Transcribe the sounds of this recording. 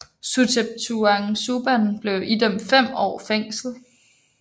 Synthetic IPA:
susʰeb̥̚t͡sʰuɑŋsub̥æn̩b̥le̝ʊʔid̥emfem̰ɒ̰ːfeŋ̰sl̩ˠ

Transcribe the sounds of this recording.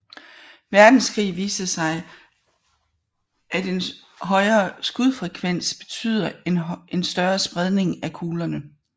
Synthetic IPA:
ʋæɐd̥n̩skʰʁḭːʋiːsɐsɑ̈ɪ | ʔæd̥e̝n | ɦɒ̽ɪɐːsɡ̥uðˠfʁɛkʰʋen̰sb̥e̝t͡sʰy̰ð̞̰ˠɐe̝nsd̥ɶɐsb̥ʁɛð̞ˠne̝ŋækʰuːlɐnə

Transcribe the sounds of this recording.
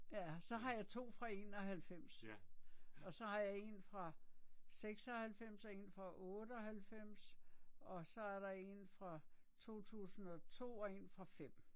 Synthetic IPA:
jæsɒ̽ɦɑ̈jɑ̈ɪt͡sʰo̝̰ːfʁɑ̈e̝̰ːnɒ̽ɦælfem̰s | ɒ̽sɒ̽hɑ̈jɑ̈e̝̰nfʁɑ̈seɡ̥sɒhælfem̰sɒ̽e̝nfʁɑ̈ʔɔːd̥əɒɦælfem̰sɒ̽sɒ̽æɐɾɑ̈e̝nfʁɑ̈ | t͡sʰo̝̰ːt͡sʰṵːsn̩ɒ̽t͡sʰo̝̰ːɒ̽e̝nfʁɑ̈fem̰

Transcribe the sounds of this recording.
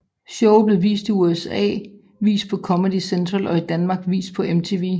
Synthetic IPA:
ɕɔʊb̥le̝ʋḭːsd̥iuesɛ̰ː | ʋḭːsd̥̚pʰɒ̽kʰɒ̽məd̥isent͡sʰʁɐlɒ̽id̥ænmɑ̈ːɡ̥ʋḭːsd̥̚pʰɒ̽ʔemt͡sʰe̝ʋḭ

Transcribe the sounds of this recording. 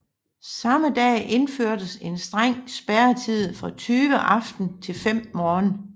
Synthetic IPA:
sɑ̈məd̥ɛ̰ːʔe̝nføɐ̰d̥əse̝nsd̥ʁaŋ̰sb̥æɐt͡sʰið̰ˠfʁɑ̈t͡sʰyːʋəʔɑ̈fd̥n̩t͡sʰe̝lfem̰mɒːn

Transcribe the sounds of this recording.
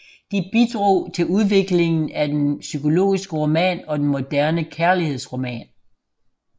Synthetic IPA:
d̥ib̥id̥ʁo̝̰ːt͡sʰe̝luð̞ˠʋe̝ɡ̥le̝ŋn̩æd̥ensykʰo̝lo̝̰ːisɡ̥əʁo̝mɛ̰ːnɒ̽d̥enmo̝d̥æɐnəkʰæɐlihe̝ð̞̰ˠsʁo̝mɛ̰ːn

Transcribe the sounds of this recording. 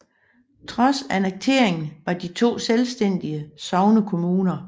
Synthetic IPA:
t͡sʰʁɒ̽sæneɡ̥̚t͡sʰe̝̰ɐ̰eŋn̩ʋɑ̈d̥it͡sʰo̝̰ːselsd̥en̰d̥iəsɒʊnəkʰo̝muːnɐ

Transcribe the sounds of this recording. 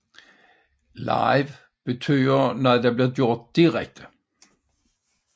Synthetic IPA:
lɑ̰ɪʋ | b̥ət̪ʰyːənɛd̪ɛːbliːʁd̪jʊʁt̪̚d̪̥iʁɛ̰k̚t̪ʰə̥

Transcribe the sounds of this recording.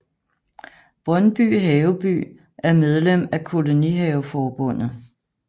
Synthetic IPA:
b̥ʁɒnb̥y̰ːɦɛːʊb̥y̰ː | ʔæɐmeð̞ˠlem̰ækʰo̝lo̝niɦɛːʊfɒːb̥ɔ̽n̰ð̩ˠ

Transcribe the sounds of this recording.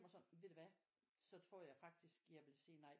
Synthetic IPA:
mɐsɒ̽nʋe̝d̥e̝ʋæ | sɒ̽t͡sʰʁo̝ɐ̰jɑ̈ɪfɑ̈ɡ̥̚d̥isɡ̥jɑ̈ɪʋe̝lsiːnɑ̈ɪ

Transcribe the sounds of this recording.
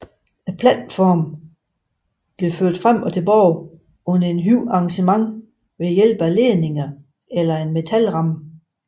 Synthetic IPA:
æpʰlæd̥fɒːm | b̥le̝føɐ̰d̥fʁam̰ɒt͡sʰe̝lb̥ɒʊ | ɔ̽nɐe̝nɦyʊɑ̈ɑŋɕəmɑ̈ŋ | ʋe̝jel̰b̥æle̝ːne̝ŋɐ | elɐe̝nme̝t͡sʰælʁɑ̈m

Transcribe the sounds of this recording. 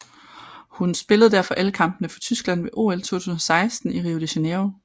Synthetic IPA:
hunsb̥e̝ləð̞̩ˠd̥æɐfɒ̽ʔæləkʰɑ̈mb̥nəfɑt͡sʰysɡ̥læn̰ʋe̝ʔo̝̰ːelt͡sʰo̝̰ːt͡sʰuːsn̩ɒsɑ̈ɪsd̥n̩iʁiːod̥eɕeneo

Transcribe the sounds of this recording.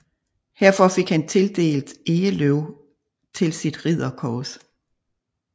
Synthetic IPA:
hæɐ̰fɒ̽fe̝ɡ̥hænt͡sʰe̝ld̥e̝̰ːld̥e̝ːəløʊ | t͡sʰe̝lsid̥ʁið̰ˠɐkʰɒːs

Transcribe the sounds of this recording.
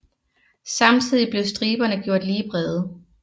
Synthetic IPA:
sɑ̈mt͡sʰið̞̰ˠib̥le̝ʊsd̥ʁiːb̥ɐnəɡ̥jo̝ɐ̰d̥liːb̥ʁɛðˠ

